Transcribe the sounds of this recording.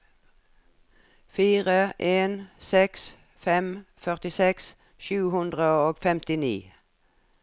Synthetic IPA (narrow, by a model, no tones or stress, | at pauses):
fiːʁəʔeːnsɛks | fɛmfœʁt̪ɪsɛks | ʃʉːhʉnd̪ʁəoːɡfɛmt̪ɪnḭː